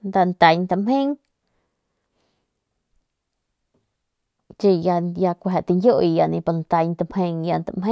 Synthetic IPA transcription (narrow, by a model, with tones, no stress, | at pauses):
nd̪a˧nt̪a˧ɲt̪a˧mhẽ˦ŋ | t͡ʃi˧ja˧ja˧kʷa˨ʔt̪i˧ŋɡʲjo˦ʔi˧ja˧nĩ˧pa˧˨nt̪a˧ɲt̪a˧mhẽ˧ŋja˧nt̪a̰˨me˦